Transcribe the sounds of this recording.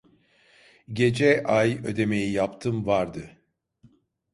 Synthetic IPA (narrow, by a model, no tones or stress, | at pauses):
ɟe̞d͡ʒɛʔajø̞̰d̪e̞me̞jijapt̪ʰɯmvaɾd̪ɯ